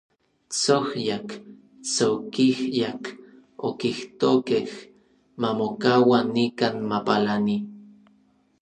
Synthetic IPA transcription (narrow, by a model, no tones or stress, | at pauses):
t͡sohjak | t͡sokihjak | okiht̪okeh | mamokawanːikaːnmapalani